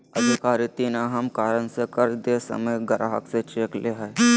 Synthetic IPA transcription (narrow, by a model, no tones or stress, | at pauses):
ɐd̪ʱɪkaːɾit̪iːnaɦɐmkaːɾənsekɐɾd̪esɐ̰məjɡɐɾʔaɦə̰kset͡ʃeːkleɦɛː